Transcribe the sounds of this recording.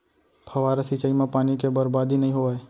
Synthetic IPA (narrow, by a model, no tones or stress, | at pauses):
pʰəʋaːɾasit͡ʃaimãpaːnikebəɾbaːd̪ʱinəɦĩɦoae